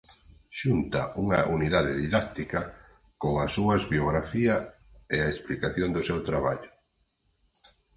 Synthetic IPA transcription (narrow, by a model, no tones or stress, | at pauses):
ʃunt̪ɐʔuŋɐʔuniðaðɪðiðak̚t̪ikɐ | koŋɐsːuɐzβjoɣɾafiɐ | eaesplikaθjond̪ʊsewt̪ɾaβa̰ʎʊ